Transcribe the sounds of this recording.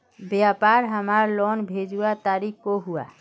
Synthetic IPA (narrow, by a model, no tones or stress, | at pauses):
bjapaɾɦəmaɾlɔnbʱed͡ʒuat̪aɾikkoɦua